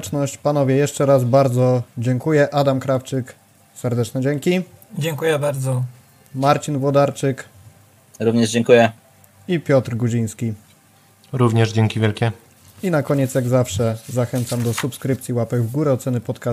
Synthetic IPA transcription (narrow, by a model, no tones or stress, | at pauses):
t͡ʂnɔɕt͡ɕpanɔvʲjɛjɛʂt͡ʂɛɾazbaɾd̪zɔd͡ʑɛŋkujɛʔad̪amkɾaft͡ʂɘk | sɛɾd̪ɛt͡ʂnɛd͡ʑɛŋkʲid͡ʑɛŋkujɛbaɾd̪zɔ | maɾt͡ɕinvwɔd̪aɾt͡ʂɘk | ɾuvɲɛʐd͡ʑɛŋkujɛ | ipʲjɔt̪ɾɡuʑij̃skʲi | ɾuvɲɛʐd͡ʑɛŋkʲivʲjɛlkʲɛ | inakɔɲɛt̪sjaɡzafʂɛzaxɛnt̪samd̪ɔsupskɾɘpt̪sʲjiwapɛɡvɡuɾɛɔt̪sɛnɘpɔt̪ka